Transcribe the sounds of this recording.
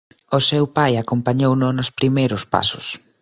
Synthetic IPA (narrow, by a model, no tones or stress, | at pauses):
osewpajakompaɲownʊnospɾimejɾʊspa̰sʊ̰s